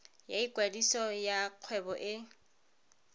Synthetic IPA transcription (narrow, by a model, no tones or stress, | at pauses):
jaikwadisɔjaq͡χʰwɛbɔʔɪ